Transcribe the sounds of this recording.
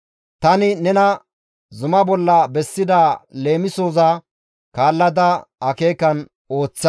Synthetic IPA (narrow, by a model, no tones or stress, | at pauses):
t̪ɐnɪnɛnɐ | zʊmɐbɔlːɐbɛsːɪd̪ale̞ːmɪsoːzɐ | kaːlːɐd̪ɐɐke̞ːkɐn | o̞ːt͡sːɐ